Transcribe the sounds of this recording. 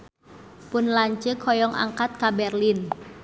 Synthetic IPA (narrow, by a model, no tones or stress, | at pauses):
pʊnlaɲt͡ʃɨkʰːɔjɔŋʔa̰ŋkat̪̚kabɛrlin